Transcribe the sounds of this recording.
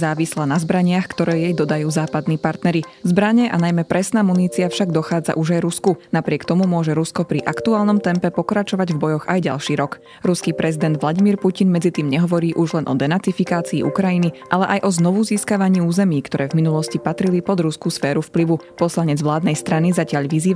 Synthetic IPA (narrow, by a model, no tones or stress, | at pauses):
zaːʋislanazbɾaɲɪaxkt̪ɔɾɛːjɛjd̪ɔd̪ajuːzaːpad̪niːpaɾt̪nɛɾizbɾaɲɛʔanajmɛpɾɛsnaːmuniːt͡siafʃaɡd̪ɔxaːd͡za̰ʔuʒajɾuskunapɾɪɛkt̪ɔmumʊɔʒɛɾuskɔpɾiʔakt̪uaːlˠnɔmt̪ɛmpɛpɔkɾat͡ʃɔʋaɟvbɔjɔɣajɟa̰lˠʃiːɾɔk | ɾuskiːpɾɛzid̪ɛnd̪ʋlaɟimiːɾpucinmɛd͡zit̪iːmɲɛɦɔʋɔɾiːʔuʒlɛnʔɔ̰d̪ɛnat͡sifikaːt͡sḭːʔṵkɾajiniʔalɛʔajʔɔznɔʋuziːskaʋaɲiːuːzɛmiːkt̪ɔɾɛːvminulɔscipat̪ɾilipɔd̪ɾuskusfɛːɾufpliʋupɔslaɲɛd͡zʋlaːd̪nɛjst̪ɾanizacɪaʎʋiziː